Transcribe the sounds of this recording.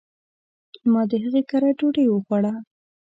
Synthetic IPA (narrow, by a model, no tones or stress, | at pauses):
mɑd̪əɦəɣekaɾad͡ʒoɽejwəxwaɽa